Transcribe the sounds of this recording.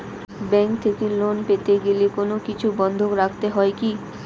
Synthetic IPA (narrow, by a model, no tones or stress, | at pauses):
bɛŋkt̪ʰekelonpet̪eɡelekonokit͡ɕʰubɔnd̪ʱokɾakʰt̪eɦɔeki